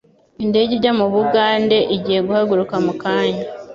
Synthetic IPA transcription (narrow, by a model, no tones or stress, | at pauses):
inde̞ɟeɟamuβuɡaːnde̞ʔiɟiːhe̞ɡuhaɡuɾukamukaːɲa